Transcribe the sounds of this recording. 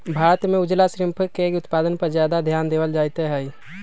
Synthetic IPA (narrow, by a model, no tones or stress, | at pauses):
bʱaɾət̪mẽud͡ʒlasɾimpʰəkeʊt̪paːd̪ənpəɾd͡ʒjad̪ad̪ʱjaːnd̪ewəld͡ʒajt̪eɦɛj